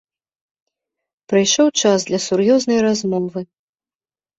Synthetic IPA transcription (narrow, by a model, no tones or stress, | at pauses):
pɾajʂɔwt͡ʂazd̪lʲɐsurjɔznɐjɾazmɔvɨ